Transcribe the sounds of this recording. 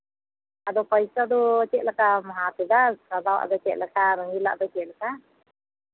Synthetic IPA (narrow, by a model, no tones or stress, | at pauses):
ad̪ɔpajsad̪ɔt͡ʃɛʔlakamaɦat̪ɛd̪askad̪awa̰ʔd̪ɔt͡ʃɛ̰ʔlakaɾɔŋila̰ʔd̪ɔt͡ʃɛʔlaka